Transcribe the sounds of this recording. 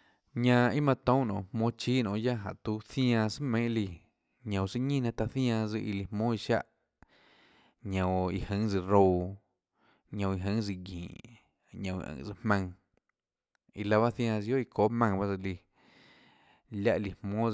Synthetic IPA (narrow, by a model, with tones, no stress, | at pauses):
ɲã˧i˦mã˧t̪õ˦˨nõ̰˧˨hmõː˦t͡ʃiː˦nõ̰ː˧˨ʔja˦ɦa˨ʔt̪u˧˦θj̃ã˧sɨ˦mẽ˦ʔli˧˨ | ɲã˨sɨ˧ɲĩ˦˨nã˧t̪a˧θj̃ã˧d͡zɨ˧ʔi˧˨li˨hmõː˦i˧ʃa̰˦ʔ | ɲã˨wi˧hə̃˨˦d͡zɨ˧ɾo˧w | ɲã˧i˧ɦə̃˦ŋzɨ˧ɡḭ̃ː˨ʔ | ɲõ˧˨ḭ˧ʔə̰̃˧˨d͡zɨ˧hmã˧ŋ | ḭ˧la˧βa˦θj̃ãː˧zjo˦i˧koː˦ʔmã˧ŋba˦zɨ˧li˧ | lʲja˦ʔli˨hmõː˦